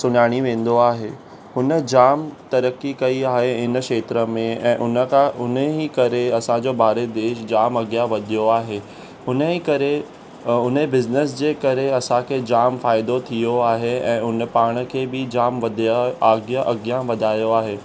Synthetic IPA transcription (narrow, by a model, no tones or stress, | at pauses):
sʊnaːɽ̃iʋẽːn̆d̪oaːɦeː | ɦʊnə̆d͡ʑaːmt̪ɐɾəkːikɐiaːɦeɪnkʃeːt̪ɾə̆mẽɛ̃ːʔʊnə̃ʊnəɦikɐɾeɐsãd͡ʑoːbʱaːɾed̪eːʃd͡ʑaːmɐɡjaʋɐd̪ʱijoaːɦeː | ɦʊnəɦikɐɾe | ʊnebɪznəs̬d͡ʑeːkɐɾeɐsãkʰed͡ʑaːmfaːɪd̪ot̪ʰijoaːɦeɛ̃ːʊnə̆paːɽ̃ə̆kʰeːbɪd͡ʑaːmʋɐd̪ʱaːɡjaʔɐɡjaʋɐd̪ʱaːjoaːɦeː